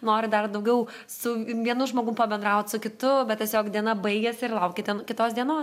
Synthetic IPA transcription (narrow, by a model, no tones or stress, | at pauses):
noːɾʲɪd̪ɐrd̪ɐʊɡʲɛʊ | sʊʋʲiɛnʊʒmoːɡʊmpɐbʲɛnd̪ɾɐʊt̪ʲsʊkʲɪt̪ʊbʲɛt̪tʲɛsʲoːkd̪ʲiɛnɐbɐɪɡʲɛsʲɪrlˠɐʊkʲɪt̪ʲɛnkʲɪt̪oːsd̪ʲiɛnoːs